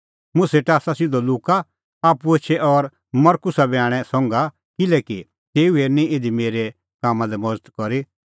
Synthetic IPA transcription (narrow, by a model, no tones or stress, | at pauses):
mʊ̃seʈaːsasɪd̪oluːka | aːpuet͡ʃʰɛʔɔɾ | mɐɾkʊsabaːɽ̃ɛsɔ̃ːŋɡa | kɪlɛːki | t̪eːuenĩed̪imeːɾe | kaːmãlɛmɔd͡zət̪kɔɾi